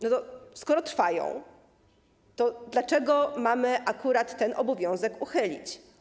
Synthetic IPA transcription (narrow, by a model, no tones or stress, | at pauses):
nɔt̪ɔskɔɾɔt̪ɾfajɔ̰̃w̃ | t̪ɔd̪lat͡ʂɛɡɔmamɘʔakuɾat̪ːɛnʔɔbɔvʲjɔ̃w̃zɛkuxɘlʲḭt͡ɕ